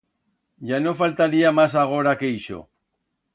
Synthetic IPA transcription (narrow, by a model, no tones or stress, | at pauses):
ʝano̞falt̪aɾiamasaɣ̞o̞ɾake̞iʃo̰